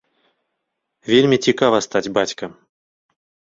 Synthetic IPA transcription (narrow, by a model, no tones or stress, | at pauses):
vʲelʲmʲit͡sʲikavɐst̪ad͡zʲbat͡sʲkɐ